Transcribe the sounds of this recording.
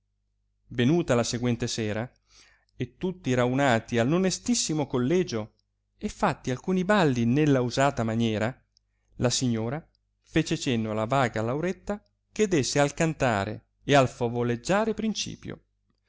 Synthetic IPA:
venuːt̪alaseɡwɛnt̪esɛːɾa | et̪ːut̪ːiɾaunaːt̪ialːonest̪isːimokolːɛːd͡ʒo | efːat̪ːialkuːnibalːinelːauzaːt̪amanjɛːɾa | lasiɲːoːɾa | feːt͡ʃet͡ʃenːolavaːɡalawɾet̪ːa | k̟ed̪esːealkant̪a̰ːɾḛ | ealfovoled͡ʒːaːɾepɾint͡ʃḭːpjo̰

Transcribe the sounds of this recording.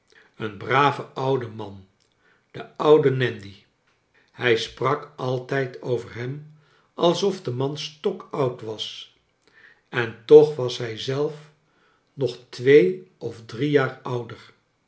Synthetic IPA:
ənbraːvəʔʌwdəmɑn | d̥əʌwdənɛndi | hɛjsprɑkɑlˠtɛjtʰowvəɹɦɛm | ʔɑlˠsɔfdəmɑnstɔkʌwtʋɑs | ɛntɔχʋɑsɦɛjzɛlˠf | nɔχtʋejʔɔfdrijaːɹʌwdəɹ

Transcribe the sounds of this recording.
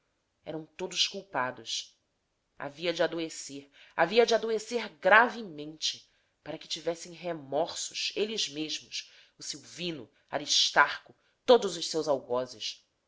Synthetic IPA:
ɛ̰ɾɐ̃w̃t̪od̪ʊʃkuwpad̪ʊs | a̰viɐd͡ʒad̪oeseɾaviɐd͡ʒɪad̪oeseɾɡɾavɪmẽnt͡ʃɪ | paɾɐkɪ̥t͡ʃivɛsẽj̃ɦemɔɾsʊʃelɪzmeʒmʊs | ʊsiwvĩnʊ̰ | a̰ɾiʃt̪aɾkʊ | t̪od̪ʊzʊʃsewzawɡɔzɪʃ

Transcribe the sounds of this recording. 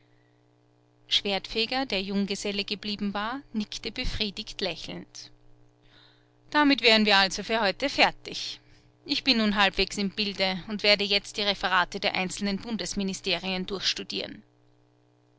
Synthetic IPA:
ʃv̥eːɐtfeːɡɐdeːɐjʊŋɡəzɛləɡəbliːbm̩vaːɐnɪktəb̥əfʁ̥iːdɪçtlɛçl̩n̩t | d̥amɪtv̥eːʁ̞ənviːɐalzofyːɐhɔʏtəfɛɐtɪç | ʔɪçb̥ɪnːuːnɦalpv̥eːksɪmbɪldəʊntv̥eːɐdəjɛt͡st̚d̥iːʁefəʁaːtədeːɐʔa̰ɪnt͡sl̩nənbʊndəsminɪsteːʁiəndʊɐçʃtud̥ḭːʁ̞ən

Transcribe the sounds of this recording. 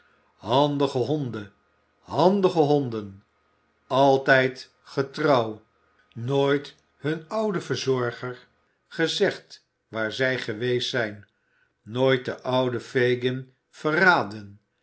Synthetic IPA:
ɦɑndəχəɦɔndə | ɦɑndəχəɦɔndən | ɑlˠtɛjt | χətrɑw | noːjt | ɦɵnʌwdəvəɹzɔɹχər | χəzɛχt | ʋaːɹzɛjχəʋejsɛjnː | oːjt̚dəʔʌwdəfejɡən | v̥əraːdən

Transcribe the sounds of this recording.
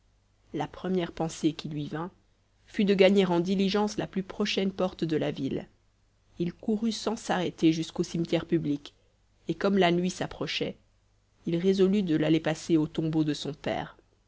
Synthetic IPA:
lapχəmjɛʁpɑ̃sekʰʲilɥivɛ̃ | fyd̪əɡaɲeʁɑ̃d̪iliʒɑ̃slaplypχɔʃɛnpɔʁt̪d̪əlavil | ilkuʁysɑ̃saʁet̪eʒyskosimt̪jɛʁpyblik | ekɔmlanɥisapχɔʃɛ | ilʁezɔlyd̪əlalepaseot̪ɔ̃bod̪əsɔ̃pɛ̰ːʁ

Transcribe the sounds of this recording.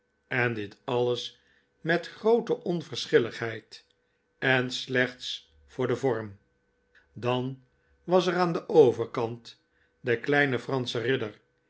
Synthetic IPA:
ɛndɪtɑləs | mɛtχrowtəʔɔnvəɹsχɪləχɦɛjt | ɛnslɛχt̪s | fʊːɹdəvɔɹm | dɑn | ʋɑsəɾaːndəʔowvəɹkɑnt | dəklɛjnəfrɑnsərɪdər

